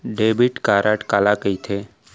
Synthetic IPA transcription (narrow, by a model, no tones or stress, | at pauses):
ɖeːbiʈkaːɾʔaʈkaːlakəit̪ʰe